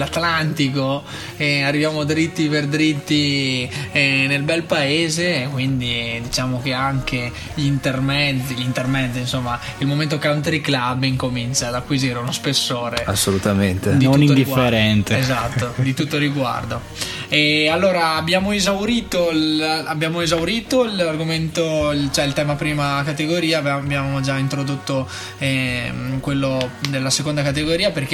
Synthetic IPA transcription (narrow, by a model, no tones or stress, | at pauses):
lat̪lant̪iko | ɛarːivjaːmod̪ɾit̪ːiperd̪ɾit̪ːi | nelbɛlpaeːzekwind̪id̪it͡ʃaːmok̟eaŋke | ʎint̪ermɛd̪ʎint̪ermɛd̪ːinsomːailmomẽnt̪̬okawnt̪ɾiklabːiŋkominsaːd̪akːwiziɾeunospesːoːɾea̰sːolut̪ament̪enionuinːd̪iɡfeɾɛnt̪eezat̪ːod̪it̪ut̪ːoɾiɡwa̰rd̪o | ɛalːoːɾaːbjaːmoezawɾiːt̪olabjaːmoezawɾiːt̪oilarɡoment̪oilt͡ʃoɛilt̪ɛːmapɾiːmakat̪eɡoɾiːaːbabjaːmod͡ʒaint̪ɾod̪ot̪ːo | ɛkwelːod̪elːasekond̪akat̪̬eɡoɾiːaperk̟e